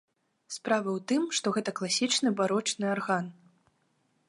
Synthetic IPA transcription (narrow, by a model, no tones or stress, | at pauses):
spɾavɨwt̪ɨmʂt̪ɔɣɛt̪ɐklˠasʲit͡ʂnɨbaɾɔt͡ʂnɨarɣan